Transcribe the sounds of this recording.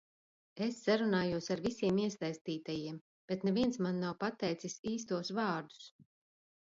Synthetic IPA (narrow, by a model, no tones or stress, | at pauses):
esːaɾunaːjuɔsaɾvisʲiɛmiɛsajst̪iːt̪ajiɛm | b̥et̪nɛviɛnsmanːawpat̪ɛjt̪sisiːs̬t̪uɔsvɑːɾd̪u̥s